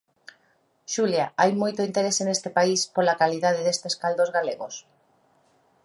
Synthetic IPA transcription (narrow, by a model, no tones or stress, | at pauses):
ʃuljaajmojt̪oint̪eɾesenest̪epaispolakaliðað̞eðest̪eskald̪ozɣaleɣos